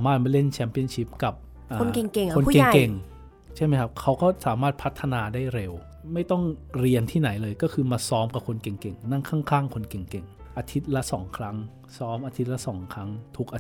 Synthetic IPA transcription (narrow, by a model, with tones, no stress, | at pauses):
aː˩˦maː˥˩t̪̚ma˧˩le˥˩nt͡ɕʰɛː˧˦˥mpi˧˥˩ənt͡ɕʰi˦˥p̚ka˨˩p̚ | ʔaː˧nke˨˩ŋke˨˩ŋʰo˧n˥ke˨˩ŋ˧ke˨˩ŋ | t͡ɕʰa˥˩jma˦˥jkʰa˦˥p̚kʰa˦˥wkɔː˥˩saː˩˦maː˥˩t̪̚pʰa˦˥t̪ʰːa˧naː˧daː˥˩jɾe˧w | ma˥˩jt̪ɔ˥˩ŋɾi˧ənt̪ʰiː˥˩na˩˦jlɤː˧jkɔː˥˩kʰɯː˧maː˧sɔː˦˥mka˨˩p̚kʰo˧nke˨˩ŋke˨˩ŋna˥˩ŋkʰaː˥˩ŋkʰaː˥˩ŋkʰo˧nke˨˩ŋke˨˩ŋ | ʔaː˧t̪ʰi˦˥t̪̚la˦˥sɔ̰ː˩˦ŋkʰɾa˦˥ŋ | sɔː˦˥mʔaː˧t̪ʰi˦˥t̪̚la˦˥sɔ̰ː˩˦ŋkʰɾa˦˥ŋt̪ʰu˦˥k̚ʔa˧